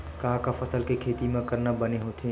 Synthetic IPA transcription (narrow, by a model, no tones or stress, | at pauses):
kaːkafʰɐsəlkekʰeːt̪imẽkɐɾnabəneɦot̪ʰe